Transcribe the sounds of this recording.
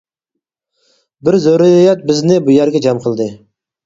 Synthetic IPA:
bɪɾzøɾijɛt̪̚bɪznɪbujæɾɡʲɛd͡ʒɑmqʰəlˠd̪ɨ

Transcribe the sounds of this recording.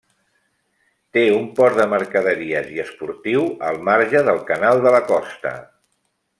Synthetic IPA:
t̪eumpɔɾd̪əməɾkəðəɾiəziəspuɾt̪iwəlˠmaɾʒəðəlˠkənalˠd̪ələkɔst̪ə̰

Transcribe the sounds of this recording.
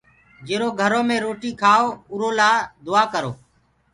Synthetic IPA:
d͡ʒeːɾoːɡʱəɾoːmẽːɾoːʈiːkʰaːoːʊɾoːlaːd̪ʊaːkəɾoː

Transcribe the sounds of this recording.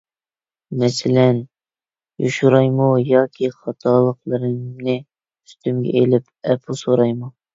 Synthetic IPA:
mɛsɪlɛn | joʃuɾɑjmujɑːkʲʰiχɑt̪ʰɑlˠəqlˠɨɾɨmnɪ | y̥st̪ymɡʲɛ̰ʔelɪp | ɛpʰusoɾɑjmu

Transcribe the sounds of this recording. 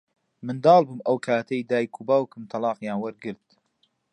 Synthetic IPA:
mɨnd̪ɑːlˠbuːmɐwkʰaːt̪ʰɐjd̪aːjkʰubaːwkɨmt̪ʰɑlɑːqjaːnwɐɾɡɨɾd̪̚

